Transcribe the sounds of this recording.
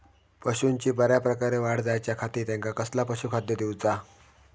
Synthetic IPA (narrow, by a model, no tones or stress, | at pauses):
pəɕunt͡ɕiːbəɾjapɾəkaɾeʋaɽd͡zajt͡ɕjakʰat̪iːɾt̪jẽŋkakəslapəɕukʰad̪jəd̪iwt͡sa